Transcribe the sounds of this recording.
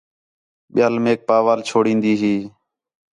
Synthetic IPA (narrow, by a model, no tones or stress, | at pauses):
ɓɪjaːlmeːk̚paːʋaːlt͡ʃʰoːɽĩːnd̪iːɦiː